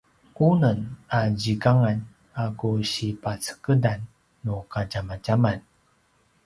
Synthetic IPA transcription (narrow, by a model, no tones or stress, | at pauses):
unənad͡ʑikaŋan | akuɕipat͡sə̥kədanː | ukaɟamad͡ʒaman